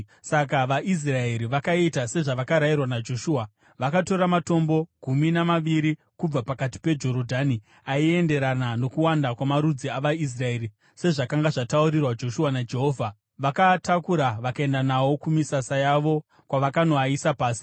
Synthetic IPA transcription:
sakaʋaʔis̬rae̞ɾiʋakaitase̞ʐaʋakaɾairwanad͡ʒo̞ʃuːa | ʋakato̞ɾamato̞mbo̞ɡ̥ʱuminamaʋiɾi | kub͡vapakati̥pe̞d͡ʒo̞ɾo̞dʱani | aie̞nde̞ɾanano̞kuwandakwamaɾud͡ziaʋais̬rae̞ːɾi | se̞ʐakaŋɡaʐatauɾirwad͡ʒo̞ʃuwanad͡ʒe̞ɦoːvʱa | ʋakatakuɾaʋakae̞ndanawo̞kumisasajaʋo̞ | kwaʋakano̞aisapaːsi̥

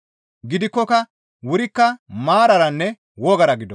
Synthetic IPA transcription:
ɡɪd̪ɪkːɔkɐ | wʊɾɪkːɐmaːɾɐɾɐnːɛ | wɔɡɐɾɐɡɪd̪ɔ

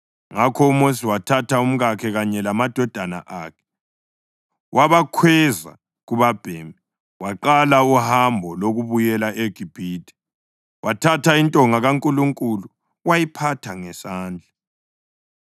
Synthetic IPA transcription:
ŋakʰɔumosiwatʰatʰaum̩ɣakʰɛɣaɲɛlamad̥ʱɔd̥ʱana̰ʔaːkʰɛ̥ | wʔaβakʰwɛza̰ | ɣuβab̥ʱemi | waǃalauhambʱɔloɣuβujɛlaʔeɡ̥ʱib̥ʱiːtʰʼɛ̥ | wʔatʰatʰaintʼɔŋaɣaŋkʼuluŋkʼulu | wajipʰatʰaŋɛsaːnd͡ɮʱa

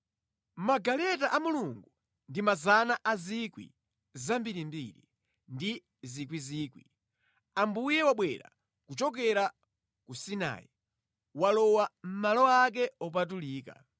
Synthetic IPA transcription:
maɡalɛt̬aʔamuluŋɡu | ndimazanaʔazikwḭ | zambiɾimbḭɾi | ndi | zikwiziːkwḭ | ambujɛwaɓwɛɾa̰ | kut͡ʃɔk̬ɛɾa | kusina̰ːji | walɔwam̩malɔak̬ɛɔp̬at̬uliːka̰

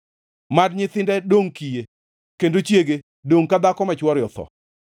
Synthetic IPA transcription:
madɲɪt̪ɪndɛdoŋkije | kendot͡ʃjeɡe | doŋkad̪akɔmat͡ʃwɔɾjɔt̪ɔ̰

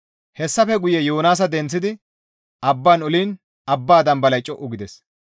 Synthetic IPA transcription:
hɛsːɐfɛɡʊjɛjoːnaːs̬ɐd̪ɛnt͡sːɪd̪ɪ | ʔɐbːaːnʊliːn | ɐbːaːd̪ɐmbɐlɐjt͡ʃʼɔʔːʊɡɪd̪ɛs

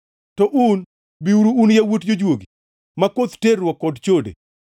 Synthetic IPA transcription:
tɔʔun | biuɾuːnjawotd͡ʒod͡ʒwoɡi | makot̪terwɔkːɔdt͡ʃodḛ

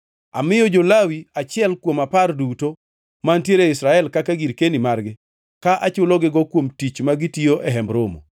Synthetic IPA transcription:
a̰mɪjɔd͡ʒolawiat͡ʃɪɛlkwomaparduto | mantjeɾeɪsɾaɛlkakaɡiɾkenimarɡɪ | kaʔat͡ʃʊlɔɡɪɡɔkwomtit͡ʃmaɡɪtioʔɛɦɛmbɾomo̰

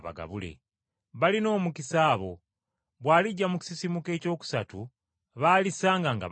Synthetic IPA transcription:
βa̰ɡa̰βule̞̰ | βalino̞ːmukisaːβo̞̰ | βwaːliɟːamuci̥sisimuke̞ːco̞ːku̥satu | βaːlisaːŋɡaŋɡa̰

